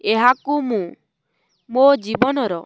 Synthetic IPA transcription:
eɦakumũ | mod͡ʒibɔnɔɾɔ

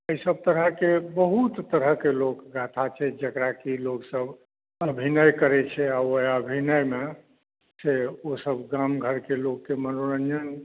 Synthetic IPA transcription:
əjsəb̚t̪əɾəɦkebəɦut̪ːəɾəɦkelokɡat̪ʰat͡ʃʰɛd͡ʒəkɾakiloksəb | əbʱinəjkəɾɛt͡ʃʰɛaoəbʱinəjme | seosəbɡamɡʱəɾkelokːemənoɾənd͡ʒən

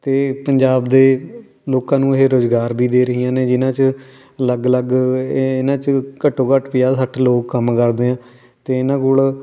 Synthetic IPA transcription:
t̪eːpəɲd͡ʒaːbd̪eː | loːkãːnũːɪɦeːɾoːzɡaːɾbʱiːd̪eːɾəɦijãːneːd͡ʒɪnãːt͡ʃ | ələɡləɡɪnãːt͡ʃkəʈʰːõːkəʈʰpɪjaːsəʈʰloːkːəmkəɾd̪eːãː | t̪eːɪnãːkʊɭ

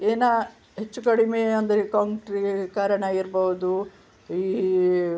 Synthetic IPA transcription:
eːna | ɦet͡ʃːukɐɽimeɐnd̪ɐɾekaʈɾikaːɾɐɳɐiɾboɦud̪u | iː

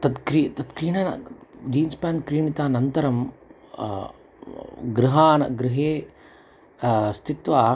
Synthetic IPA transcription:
t̪ɐd̪kɾiːt̪ɐd̪kɾiːɳɐnɐ̰d͡ʒiːnspaːnkɾiːɳit̪aːnɐnt̪ɐɾɐm | ɡɾɪɦaːnɐ̰ɡɾɪɦeː | st̪ʰit̪ʋaː

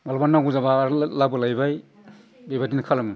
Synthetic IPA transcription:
malbanːaɡuzabaɾlabɯlajbaj | bebadinkʰalamɯ

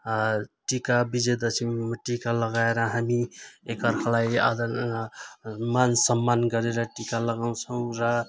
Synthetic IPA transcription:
ʈikabid͡ʒed̪əsʰimmʈikaləɡaeɾãɦamiekʌɾkʰlaia̰d̪ə | mansəmːanɡʌɾeɾʌʈikaləɡaũsʰəũɾʌ

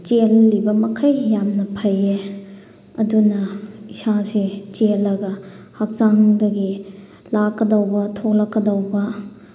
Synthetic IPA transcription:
t͡ʃelːibɐmɐkʰɐjːamnɐpʰɐje | ɐdunɐisazet͡ʃelːɐɡɐ | hɐk̚zaŋdɐɡi | lakːɐdɐwbɐtʰoklɐkːɐdɐwbɐ

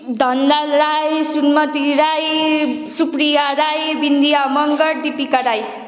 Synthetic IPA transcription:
d̪ʱʌnlalɾajsunmʌt̪iɾajsupɾijaɾajbind̪ijamʌŋɡʌɾd̪ipikaɾaj

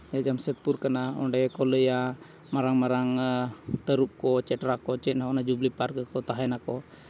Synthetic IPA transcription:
d͡ʒad͡ʒamsɛt̪̚puɾkanaɔ̰ɳɖɛkɔləja | maɾaŋmaɾaŋt̪əɾup̚kɔt͡ʃɛʈɾakɔt͡ʃɛt̪̚nakɔnad͡ʒublipaɾkəkɔt̪aɦɛnakɔ

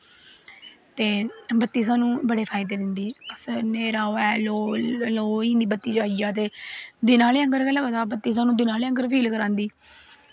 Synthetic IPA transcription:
t̪eːbət̪ːiːs̬ãːnũːbəɽeːpʰaːɪd̪eːd̪ɪnd̪iːəsneːɾaːoɛːloːloːĩːnd̪iːbət̪ːiːt͡ʃaːɪjaːt̪eːd̪ɪnaːleːəŋɡəɾkɛːləɡd̪aːbət̪ːiːs̬ãːnũːd̪ɪnaːleːə̃ŋɡəɾpʰiːlkəɾãːnd̪iː

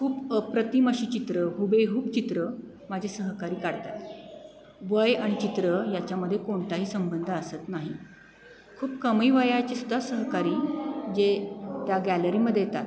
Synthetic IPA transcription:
kʰuːpəpɾət̪iməɕiːt͡ɕit̪ɾəɦubeɦuːkt͡ɕit̪ɾə | mad͡ʑʱesəɦkaɾiːkaɽt̪a̰t̪ | ʋəjaɽ̃it͡ɕit̪ɾəjat͡ɕjaməd̪ʱːjekoɳt̪aɦiːsəmbənd̪ʱəəsət̪naɦḭ | kʰuːpkəmiːʋəjat͡ɕisud̪ʱːasəɦkaɾiːd͡ʑet̪jaɡæləɾiːməd̪ʱːjejt̪a̰t̪

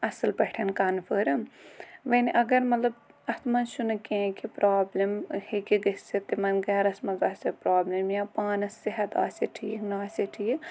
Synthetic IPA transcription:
ɐsɐlbɐʈʰɐnkanpʰəɾɐmʋɐniʔɐɡɐɾmɐt̪lɐbɐt̪ʰmɐnʃunɐkẽːkipɾaːblɐmhikiɡɐsset̪emɐnɡɛːɾɐsmɐzaːsʲɐpɾaːblɐmjaːpaːnɐsːɐɦɐt̪a̰ːsɐʈʰiːknaːsɐʈʰijik

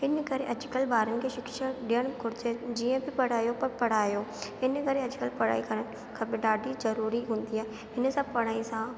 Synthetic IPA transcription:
ɪnkɐɾeʔɐd͡ʒkəlbaːɾənɪ̆kʰeʃɪkʃəɾɗiːəɽ̃kʰʊɾɪd͡ʑed͡ʑiːə̃bɪpɐɽ̤aːjopɐɾpɐɽ̤aːjoːɪnkɐɾeɐd͡ʑkəlpɐɽ̤a̰ːikɐɾənɪ̆ | kʰãːbɪɖaːɖʱizɐɾuːɾiɦũːnd̪iɦaːɦe | ɪn̆sãpɐɽ̤aːĩsã

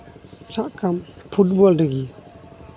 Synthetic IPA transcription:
t͡ʃʰaʔkampʰut̚bɔldəɡi

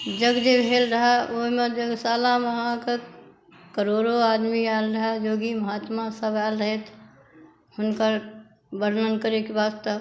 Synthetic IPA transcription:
d͡ʒəɡd͡ʒebʱeːlɾəɦaoɦmẽd͡ʒəɡsaːlaməɦãke | kəɾoːɾoaːd̪miaːlɾəɦajoːɡiməɦaːt̪mãsəbaːlɾəɦet̪ | hʊnkəɾ | bəɾnənkəɾekebaːdt̪ə

